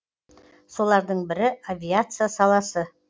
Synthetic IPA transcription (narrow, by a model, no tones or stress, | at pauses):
so̞lˠɑɾd̪əɴbɪɾɪavʲijat̪sɨjasɑlˠɑsə